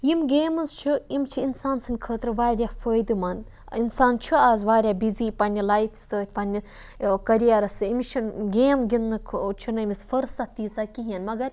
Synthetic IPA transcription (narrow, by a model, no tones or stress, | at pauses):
jimɡʲeːmɨzt͡ʃʰiimt͡ʃʰiinsaːnsɨnʲkʰəːt̪ɾɨʋaːɾʲjafəːjd̪ɨmɐn | insaːnt͡ʃʰiaːzʋaːɾʲjaːbiziːpɐnʲilajfʰʲsəːt̪̚ʰʲpɐnʲi | kɐɾijeɾɐsɨimʲt͡ʃʰinɡʲeːmɡʲinːɨkʰt͡ʃʰinɐmisfɐɾsat̪iːt͡sakiɦiɐnmɐɡɐɾ